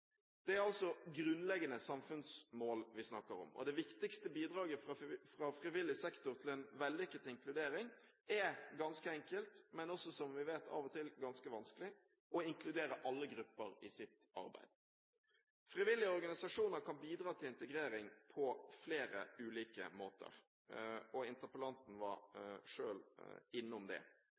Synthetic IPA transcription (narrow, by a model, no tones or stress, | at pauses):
d̪̥ɛæɾɑlsɔɡɾʉnlɛɡənəsɑmfʉnsmoːlʋɪsnɑkəɾɔ̰mɔ̰d̪ɛʋɪkt̪ɪkst̪əbiːd̪ɾʁɑːɡəffɾɑfɾɪʋɪlːɪsɛkt̪ʊɾt̪ʰɪlɛnʋɛlːʏkːət̪ɪŋkʰlʉd̪eːɾɪŋ | ɛɡɑnskəɛŋkəlt̪mɛnɔsɔsɔmʋɪʋeːt̪ʰɑ̰ːʋɔt̪ʰɪlɡɑnskəʋɑnskəlɪ | ʔɔɪŋklʉd̪eːɾəʔɑlːəɡɾʉpːəɾɪsɪt̪ɑ̰ɾbæ̰ɪd̪̥ | fɾɪʋɪlːɪəɔɾɡɑnɪsɑʂuːnəɾkʰɑnbiːd̪ɾɑːt̪ʰɪlɪnt̪ɛɡɾeːɾɪŋpʰɔfleːɾə̰ʉːliːkə̰moːt̪ə̰ɾ | ɔɪnt̪əpəlɑnt̪n̩ʋɑ̰ɾʂøːlɪnːʊmd̪ɛ̰